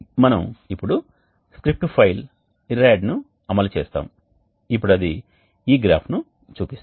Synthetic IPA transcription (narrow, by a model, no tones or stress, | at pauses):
mɐnɐmipːuɽu | skɾip̚ʈpʰɐjl | iɾaːɖnu | ɐmɐlut͡ʃeːst̪a̰ːmu | ip̬ːuɽɐd̪i | iːɡɾaːpʰnu | t͡ʃuːpist̪